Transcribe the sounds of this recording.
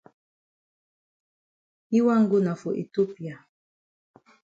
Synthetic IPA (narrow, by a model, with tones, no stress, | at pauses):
i˦wa˦ŋ̩˦ɡo˦na˨fu˨ʔḛ˨to˦pi˨a˨